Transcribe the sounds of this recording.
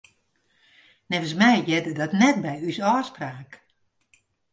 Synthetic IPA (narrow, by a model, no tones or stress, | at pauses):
nɛvəsmɛjjɛdədɔtnɛt̚bɛjysɔːspraːk